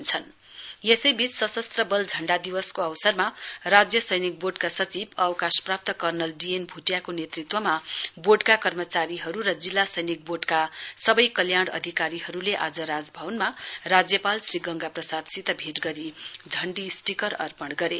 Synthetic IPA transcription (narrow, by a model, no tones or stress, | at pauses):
nt͡sʰʌn | jesʌjbʱit͡ssʌsʌst̪rʌbʌld͡zʱʌɳɖad̪iwʌskoʌwsʌrmarad͡zjʌsʌjnik̚boɖkasʌt͡sibʌwʌkasprap̚t̪ʌkʌrnʌlɖienbʱuʈjakonet̪rit̪wʌmaboɖkakʌrmʌt͡saɾiɦʌɾuɾʌd͡zilːasʌjnik̚boɖkasʌbʌjkʌljaɽ̃ʌ̰d̪ʱikaɾiɦʌɾuleʔad͡zʌɾad͡zbʱʌwʌnmarad͡zjʌpalsriɡʌŋɡaprʌsad̪sit̪ʌbʱeʈɡʌɾid͡zʱʌɳɖisʈikʌɾʌ̰rpʌɽɡʌɾe